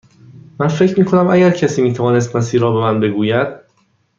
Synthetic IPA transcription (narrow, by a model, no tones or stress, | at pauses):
mænfecʰɾmiːkʰonæmʔæɟæɾcʰæsiːmiːt̪ʰævɒːne̞s̬t̪mæsiːɾɒːbe̞mænbe̞ɡuːjæd̪̥̚